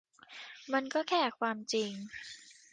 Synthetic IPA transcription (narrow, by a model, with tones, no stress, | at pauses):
ma˧nkɔː˥˩kʰɛː˥˩kʰwaː˧mt͡ɕi˧ŋ